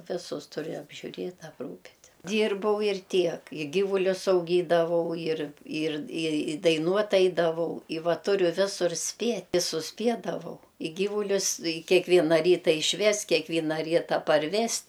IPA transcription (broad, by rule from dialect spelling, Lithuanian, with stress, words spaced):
ˈʋʲɪsʊs ˈtʊrʲɪ ɐbʲʒʲʊˈrʲeːtʲ ɐpˈruːpʲɪtʲ ˈdʲiːrbɐʊ ɪr ˈtʲiɛk ɪ ˈɡʲiːʋʊlʲʊs ɐʊˈɡʲiːdɐʋɐʊ ɪr ɪr ɪ ɪ dɐɪˈnuɔtʲ ˈɐɪdɐʋɐʊ ɪ ˈʋɐ ˈtʊrʲʊ ˈʋʲɪsʊr ˈsʲpʲiɛtʲ ɪ sʊsʲˈpʲiɛdɐʋɐʊ ɪ ˈɡʲiːʋʊlʲʊs ɪ kʲɛˈkʋʲiɛnɐ ˈrʲiːtɐ ɪʃʲˈʋʲɛst kʲiɛkˈʋʲiːnɐ ˈrʲiːtɐ pɐrʲˈʋʲɛst